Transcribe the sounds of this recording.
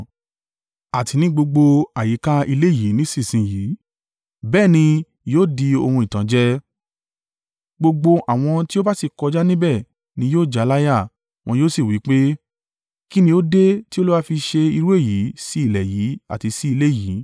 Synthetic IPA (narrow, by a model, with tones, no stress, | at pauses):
a˨ti˨˧nĩ˦ɡ͡bo˧ɡ͡bo˧a˨ji˨˦ka˦i˧le˦˨ji˨˦nĩ˨˦si˦˨sĩ˧jiː˨˦ | bɛː˦˨nĩ˧ | joː˦˨di˧o˧hũ˧i˨tã˨˦d͡ʒɛ˦ | ɡ͡bo˧ɡ͡bo˧ʔa˨w̃ɔ̃˧ti˦o˦ba˦si˦˨kɔ˧d͡ʒa˦nĩ˦bɛ˦˨ | nĩ˨˦joː˦˨d͡ʒa˨˦la˦ja˦˨ | w̃ɔ̃˧joː˦si˦˨wi˨˦k͡pe˦ | ki˦nĩ˧jo˦de˦ti˦o˦lu˦wa˦fi˧ʃe˧i˧ɾu˦e˦˨ji˨˦si˦i˦˨lɛ˨ji˨˦a̰˦˨ti˧si˦i˧le˦˨ji˨˦